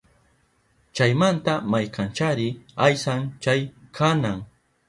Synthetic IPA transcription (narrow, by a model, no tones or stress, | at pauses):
t͡ʃajmant̪amajkʰant͡ʃaɾɪajsant͡ʃajkʰanaŋ